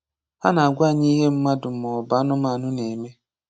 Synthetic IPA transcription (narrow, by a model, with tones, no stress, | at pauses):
a̰˦na˨a˨ɡʷa˦˨ɲi˦ɦe˦m̩˦ma˦dʊ˨mɔ˨ba˦nʊ˦m˦a˨nʊ˦ne˨me˦